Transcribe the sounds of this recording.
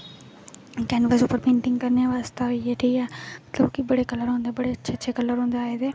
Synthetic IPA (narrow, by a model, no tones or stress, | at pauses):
kɛnʋəzuːpəɾpẽːɳʈɪ̃ŋɡkɐɾnejaʋaːst̪aieʈʰiːkaːmɐt̪ləbkibɐɽekɐləɾɦõːnd̪ebɐɽet͡ɕʰɐt͡ʃʰekɐləɾɦõːnd̪aːɦeːt̪ʰeː